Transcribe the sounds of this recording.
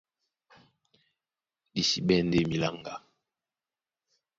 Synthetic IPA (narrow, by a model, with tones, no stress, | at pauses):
di˨si˨ɓɛ˦˨nde˦mi˨la˦˨ŋɡa˨